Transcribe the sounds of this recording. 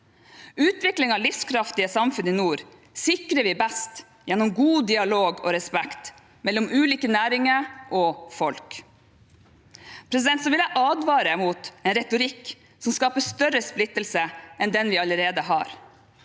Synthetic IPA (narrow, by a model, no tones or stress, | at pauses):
ʉːt̪ʋɪklɪŋɑʋlɪfskʰɾɑft̪ɪəsɑmfʉnɪnuːɾ | sɪkɾəʋɪbɛst̪ | jɛnːɔmɡuːd̪ɪɑloːɡɔ̰ɾɛspɛkt̪ | mɛlːɔmʉːliːkənæːɾɪŋəɾʔɔfɔlk | pʰɾɛs̬ɪd̪ɛnt̪sɔʋɪljæʔɑːd̪ʋɑːɾəmuːt̪ɛnɾɛt̪ʊɾɪkː | sɔmskɑːpəst̪œɾəsplɪt̪ːəlsəɛnd̪ɛnʋɪɑləɾeːd̪əɦɑ̰ːɾ